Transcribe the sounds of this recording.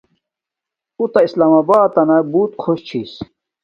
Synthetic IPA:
ut̪ɐislaːmaːbaːt̪ːɐnɐbuːt̪kʰoɕt͡ɕʰis

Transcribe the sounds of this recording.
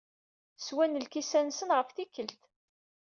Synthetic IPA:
swænəlkisænsənʁəfθikːəlt̪

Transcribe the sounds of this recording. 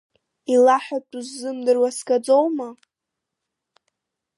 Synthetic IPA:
ilaħᶣatʼuzːɨmdɨrwaskʼad͡zowma

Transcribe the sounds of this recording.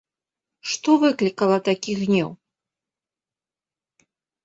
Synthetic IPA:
ʂt̪ɔvɨklʲikɐlˠɐt̪akʲiɣnʲɛ̰w

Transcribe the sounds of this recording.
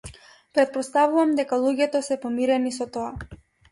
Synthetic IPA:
pɾɛt̪̚pɔst̪avuvamd̪ɛkalˠuɟʲɛt̪ɔsɛpɔmiɾɛnisɔt̪ɔa

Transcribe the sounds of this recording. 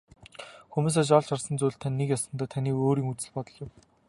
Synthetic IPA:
xumuːs̬aːt͡ɕ̬ɔɮt͡ɕʰarsə̆nt͡sujɮt̪ʰanʲːekjasə̆nt̪aːt̪ʰaniːoːɾiːŋut͡sɘ̆ɮpɔt̪ɞ̆ɮɪm

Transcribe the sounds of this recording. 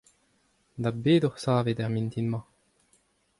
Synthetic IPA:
d̪abeːd̪ɔʁsaːved̪ɛʁmint̪inmɑ̃

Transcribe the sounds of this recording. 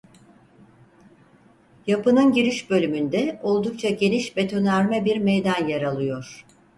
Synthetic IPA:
japɯnɯnɟiɾiʃbø̞lʲymynd̪ɛo̞lˠd̪uk̚t͡ʃʰaɟe̞niʃbe̞t̪ʰo̞næɾmɛbiɾmejd̪anjaɾalˠɯjo̞ɾ̥

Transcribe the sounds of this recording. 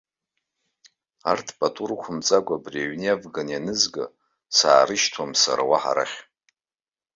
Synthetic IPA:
artʰpʼatʰʼurkʷʰʊmt͡sʼaɡʷabriaɥniavɡanjanɨzɡɨ̰ | saːɾɨʃtʰwamsa̰ɾawaħa̰ɾa̰χʲ

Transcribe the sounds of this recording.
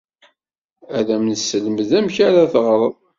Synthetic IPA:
æðæmnəsːələməðæmçaɾaθʁɾˤəðˤ

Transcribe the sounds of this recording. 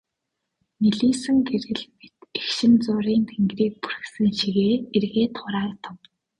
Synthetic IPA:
niɮiːsɘ̆ŋɡeɾɘ̆ɮpit̪exʃɪ̆nt͡sʊːɾiːnt̪ʰeŋɡriːk̚pu̥r̆xsɘ̆ŋʃiɣeːerɣeːt̪ʰχʊɾaːrt̪ʰʊ̆w

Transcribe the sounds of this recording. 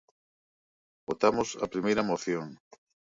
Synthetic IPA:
bot̪amʊsɐ̰pɾimejɾɐmoθjoŋ

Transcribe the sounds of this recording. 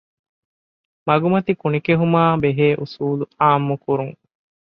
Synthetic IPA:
mɐɡumɐt̪ikunikeɦumaːbeɦeːʔusuːluaːmːukuɾuŋ

